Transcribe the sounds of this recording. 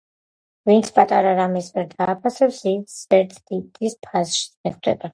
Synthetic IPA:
vint̪sʰpʼat̪ʼaɾaɾamismɛɾd̪aːpʰasɛpsisɛɾt̪ʰd̪it̪ʼispʰasʃi̥mɛχd̪ɛ̰ba

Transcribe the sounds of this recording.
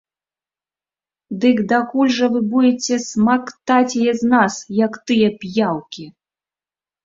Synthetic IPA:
d̪ɨkd̪akulʲʐɐvɨbud͡zʲɛt͡sʲɛsmakt̪at͡sʲɛjɛznasjɐkt̪ɨjɛpʲjawkʲi

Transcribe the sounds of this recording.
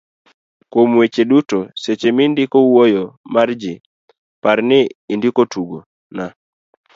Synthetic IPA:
komwet͡ʃedutoset͡ʃemɪndɪkowojɔmard͡ʒɪ | paɾnɪindɪkotuɡo | na

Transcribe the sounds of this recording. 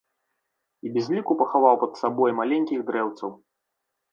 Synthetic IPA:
ibʲɛzʲlʲikupɐxavawpɐd̪sabɔjmalʲenʲkʲiɣd̪ɾɛwt̪sɐw

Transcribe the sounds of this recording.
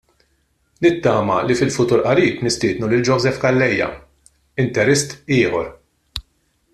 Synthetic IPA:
nɪt̪ːɐːmɐlifɪlfʊt̪uːɾʔɐɾiːpnɪst̪ɪːd̪nulɪld͡ʒɔːzɛfkɐlːɛjːɐ̰ | ɪnt̪ɛɾɛst̪ɪːħɔɾ

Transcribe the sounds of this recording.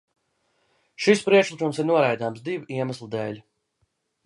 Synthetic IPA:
ʃispɾiɛkʃlˠikumsiɾnuɔɾajd̪aːmsd̪iviiɛmaslˠd̪ɛːlʲ

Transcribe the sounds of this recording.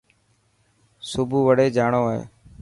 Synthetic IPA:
sʊbʱuːʋəɽeːd͡ʒaːɳoːɦḛː

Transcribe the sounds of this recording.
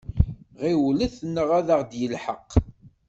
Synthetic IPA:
ʁiwləθnːəʁæðəʁd̪jəlħəqː

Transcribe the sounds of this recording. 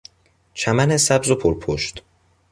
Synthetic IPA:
t͡ʃʰæmænesæbzopʰoɾpʰoʃt̪

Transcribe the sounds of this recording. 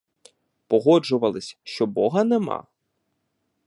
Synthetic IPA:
pɔɦɔd͡ʒʊʋɐlˠɪsʲʃt͡ʃɔbɔɦɐnemɑ̰

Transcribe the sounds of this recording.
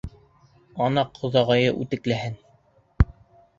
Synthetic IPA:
ɑnɑqʰŏðɑʁɑjɤʔʉt̪ɘ̆klæɦɘn

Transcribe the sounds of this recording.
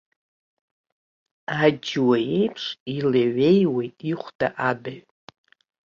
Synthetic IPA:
ad͡ʒwaje̞jpʰʂilaɥe̞jwe̞jtʼiχʷd̥aʔabaɥ

